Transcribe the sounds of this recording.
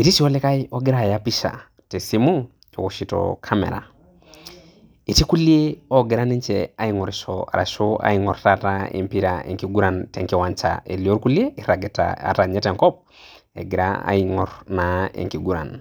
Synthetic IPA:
i˨ti˦si˨ɔ˦le˦ka˦iɔ˦ɡɪ˦ɾa˦˨japi˦ʃa̰˨ | te˨si˦mu˦ | e˨ku˨ʃitɔ̰kʰamɛ̰˨ɾa̰˨ | i˨ti˦ku˦lie˦ɔ˦ɡɪ˨ɾa˦ni˦ɲt͡ʃɛa˨i˦ŋɔ˨ɾiʃɔa̰ɾa̰˨ʃoa̰˦iŋɔ˨ɾtataḛ˨mpi˦ɾaʔḛŋki˨ɡu˦ɾa˨ntɛ˨ŋki˨wa˨ɲt͡ʃa̰e˨li˨o˦ɾku˦li˦e˦iɾa˨ɡɛta̰a̰˨ta˨ɲɛ˦tɛ˨ŋkɔ˦p̚ | ḛ˨ɡɪ˨ɾa̰a̰iŋɔɾnaḛ˨ŋki˨ɡu˦ɾa̰˨n

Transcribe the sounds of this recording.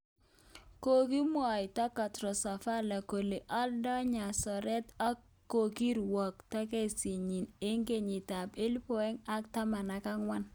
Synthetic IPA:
ko˦˨ki˦mwɔ˨ɪ˨ta˦ka˨tɾɔ˨sa˨fa˦la˨ko˨le˨ʔɔ˦ldɔ˦ɲa˨sɔ˨ɾɛ˦ta˦ | o˨ki˦ɾwɔ˨kta˦ke˦˨si˨ɲi˨ne˦ŋɡe˦ɲɪ˨ta˨pe˦lpɔ˨ɛ˦ŋa˦kta˦ma˨na˨ka˦ŋwa˦n

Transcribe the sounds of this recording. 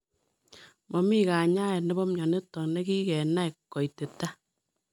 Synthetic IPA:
mɔ˨mi˦ka˨ɲa˦ɛ˨nɛ˦bɔ˦mɲɔ˨ne˦tɔ˨kne˦ki˦kɛ˨na˦jkːkːɔ˨i˨te˨ta˦

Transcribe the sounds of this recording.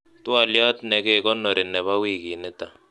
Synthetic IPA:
t̪u˦a˨lja˦tnɛ˨kɛ˦˨kɔ˦nːɔ˨ɾɪ˨nɛ˨βa˦wi˦˨ki˨nɪ˦t̪a˨

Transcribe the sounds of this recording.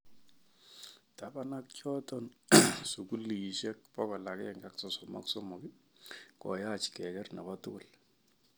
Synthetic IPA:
tabana˦k̚t͡ʃɔtɔ˦nsu˨ku˦li˨ʃɛ˦kpɔ˦kɔ˨la˨kɛŋɡa˦kso˨sɔma̰˦kso˦mo˨ki˦kɔ̰˨jat͡ʃkɛ˨kɛ˦rna˨batʊ˦kʊ˨l

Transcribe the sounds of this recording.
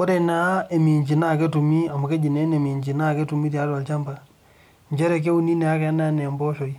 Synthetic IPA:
ɔ˦ɾɛ˦˨na˨˦e˨mi˨ɲd͡ʒi˨na˦˨kɛ˦tu˨mi˦a˨mu˨kɛ˦d͡ʒi˨nɛ˦nɛ˨mi˨ɲd͡ʒi˨na˦˨kɛ˦tu˨mi˦ɾi˨a˨˦ɾa˨lt͡ʃa˦mba˨ | ɲd͡ʒɛ˦ɾɛ˨k̬ɛ˦u˦ni˦nɛ˨a˦kɛ˨a˦na˦nɛ˨mbɔ˦ʃo˨i˦

